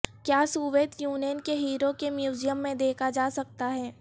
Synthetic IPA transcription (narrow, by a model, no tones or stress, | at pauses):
kjaːsuːʋeːt̪juːnjənkeɦiːɾokemjuːzijəmːẽd̪eːkʰad͡ʒaːsɐk̚t̪aɦɛː